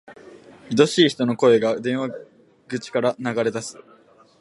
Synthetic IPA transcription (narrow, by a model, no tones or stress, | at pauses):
çid̪o̞ɕiːçi̥t̪o̞no̞ko̞e̞ɡad̪ẽ̞ɰ̃βa | ɡ̥ɯ̟t͡ɕi̥kaɾanaɡaɾe̞t̪asɨ̥